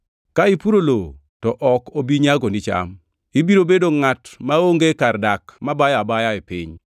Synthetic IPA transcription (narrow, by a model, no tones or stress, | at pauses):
kaɪpuɾolo | tɔʔɔkobiɲaɡonit͡ʃa̰m | ibiɾobedoŋatmaoŋɡekardakmabajabajaepɪ̰ɲ